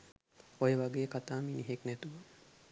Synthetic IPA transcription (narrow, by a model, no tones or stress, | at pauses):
ojəʋaɡeːkat̪aːminiɦeknɛt̪uʋə